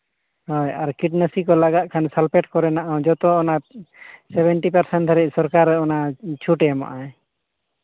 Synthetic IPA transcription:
hɔjaɾkiʈ̚nəsikɔlaɡat̪̚kʰansalpɛʈkɔɾɛnaʔãd͡ʒɔt̪ɔːna | sɛbɛɳʈipəɾsɛɳʈt̪ʰəɾɛc̚ˀsɔɾkaɾɛɔnat͡ʃʰuʈɛma̰ʔaj

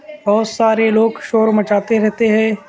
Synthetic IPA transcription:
bɔːt̪saːɾeloːɡʃoːɾmɐt͡ʃaːt̪eɾɛɦt̪eɦɛ̃ː

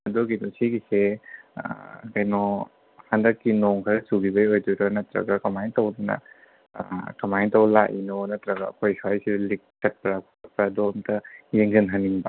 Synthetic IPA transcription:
ɐdɔɡinɔsiɡisḛ | kɐjnɔ | hɐndɐkːinoŋkʰɐɾɐsuɡibɐjojdudɐnɐtɾɐ̰ɡɐkɐmajntɐwdunɐ̰ | kɐmajntɐwlaʔinonɐtɾɐɡɐ̰ːkʰojsaajsidlik̚ːɐt̚pɾakʰuɐt̚pɾadɔːmtʰɐjeŋzɐnɦɐniŋbɐ̰

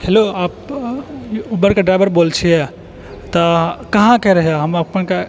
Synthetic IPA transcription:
heloaːp̚ | ubəɾkeɖɾaɪjbəɾbolt͡ʃʰijɛ | t̪ɔkəɦãkɛɾəɦjaɦəməpənke

